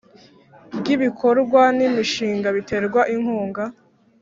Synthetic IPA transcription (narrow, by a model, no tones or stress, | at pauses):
bɟiβikʰo̞ɾɡwanimiʃiːŋɡaβitʰe̞ɾɡwaʔiŋhuːŋɡa